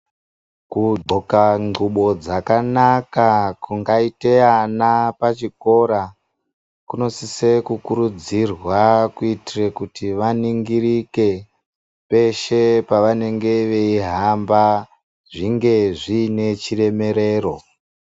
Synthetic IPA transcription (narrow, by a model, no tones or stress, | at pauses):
kuɡ͡ǃʱokaŋuɓo̞d͡zakanakakuŋɡaiteanapat͡ʃiko̞ɾa | kuno̞sisekukuɾud͡zirwakuitirekutiʋaniŋɡiɾike̞ | pe̞ʃe̞paʋane̞ŋɡe̞ʋe̞iɦamba | ʐiŋɡe̞ʐine̞t͡ʃire̞me̞ɾe̞ːro̞